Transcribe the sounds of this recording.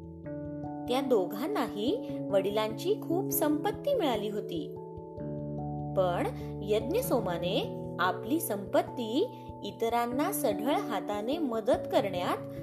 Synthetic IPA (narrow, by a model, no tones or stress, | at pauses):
t̪jad̪oɡʱanaɦiːʋəɽilaɲt͡ɕiːkʰuːpsəmpət̪ːiːmiɭaliːɦot̪ḭː | pəɳjəd̪njəsomaneapliːsəmpət̪ːiː | it̪ɾanːasəɡʱəɭɦat̪aneməd̪ət̪kəɾɳjat̪